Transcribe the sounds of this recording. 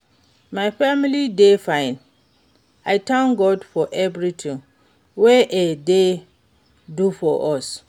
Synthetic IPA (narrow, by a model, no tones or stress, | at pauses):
maɪfamilidefãɪ̃n | aɪtʰãnɡɔdfɔʔɛvɹitʰĩŋ | wɛʔede | dufɔʔɔs